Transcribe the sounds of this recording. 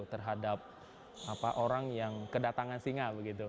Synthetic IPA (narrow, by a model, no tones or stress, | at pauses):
ut̪ərɦadap̚ | apaʔoɾaŋjaŋkədat̪aŋansiŋabəɡit̪u